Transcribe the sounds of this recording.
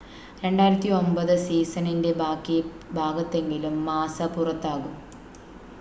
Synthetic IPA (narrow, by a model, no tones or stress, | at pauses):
ɾe̞ɳɖaːjiɾɐt̪ːio̞mbɐðɨsiːsɐninde̞akːi | bʱaːɡɐt̪ːe̞ŋɡilumːaːsɐpurɐt̪ːaːɣum